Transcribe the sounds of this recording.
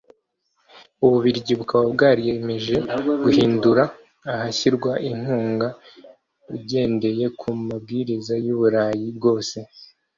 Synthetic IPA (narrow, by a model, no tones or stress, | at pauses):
uβuβiɾɟiβukaβabɡaːɾije̞me̞ʒe̞ɡuhiːnduɾaː | haçiɾɡwaʔiŋ̥huːŋɡa | uɟe̞ːnde̞je̞kʰumab̚ɡiːɾizajuβuɾaːjibɡo̞ːse̞